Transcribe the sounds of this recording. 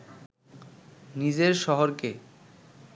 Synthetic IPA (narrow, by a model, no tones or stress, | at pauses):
nid͡ʑeɾʃɔɦoɾke